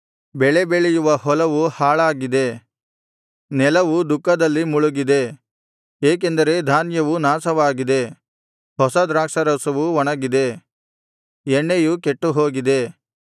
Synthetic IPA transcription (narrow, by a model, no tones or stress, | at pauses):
bɛɭe̞beɭejuʋɐɦɔlɐʋuhaːɭaːɡid̪e̞ | nɛlɐʋud̪ukːɐd̪ɐlːimuɭuɡid̪e̞ | eːk̬end̪ɐɾe̞d̪ʱaːnjɐʋunaːsɐʋaːɡid̪e̞ | hɔsɐd̪ɾaːkʂɐɾɐsɐʋuʋɔɳɐɡid̪e̞ | ɛɳːejukeʈːuɦo̞ːɡid̪e̞